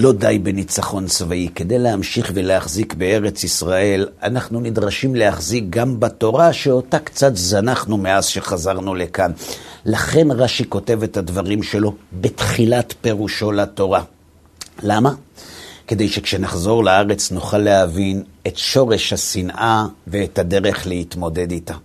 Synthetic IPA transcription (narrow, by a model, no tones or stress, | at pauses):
lo̞dajbe̞nit͡saχo̞nt͡svaike̞d̪e̞jlehamʃiχveleaχzikbee̞ʁe̞t͡sisʁae̞lanaχnunidʁaʃimle̞haχzik̚ɡambato̞ʁaʃeotakt͡satzanaχnume̞azʃe̞χazaʁnule̞kanlaχe̞nʁaʃiko̞te̞ve̞thadvaʁimʃe̞lo̞betχilatpe̞ʁuʃo̞lato̞ʁa | lamake̞de̞jʃekʃe̞naχzo̞ʁlaaʁe̞t͡snuχalːeavin | e̞tʃo̞ʁe̞ʃhasinʔave̞ːthade̞ʁe̞χlehitmo̞de̞dita